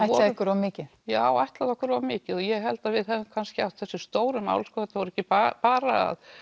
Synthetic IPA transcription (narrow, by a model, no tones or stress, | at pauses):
ajhɔakːʏɾɔmɪːcɪ | jaːwajht̪laðɔhkʏɾɔvmɪːcɪðɔjɛɣɦɛl̪t̪aðvɪðhɛðɪmkʰanscɪaw̥t̪θɛsːɪst̪oːwɾʏma̰ːwlskɔɛt̪ːavɔɾɛcːɪpapaːɾaa̰ð